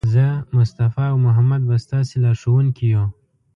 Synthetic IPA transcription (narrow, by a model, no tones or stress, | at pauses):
zəmʊst̪afɑːwmʊɦamad̪̚bast̪ɑselɑʂowunkijo